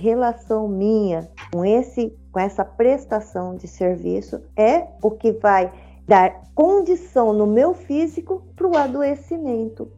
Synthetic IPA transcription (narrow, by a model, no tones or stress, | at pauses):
ɦelasɐ̃w̃mĩɲɐkõesɪkõɛsɐpɾest̪asɐ̃w̃d͡ʒɪseɾvḭsʊ̰ɛʊkɪvaj | d̪aɾkõd͡ʒisɐ̃w̃nʊmewfizikʊpɾʊad̪oesimẽnt̪ʊ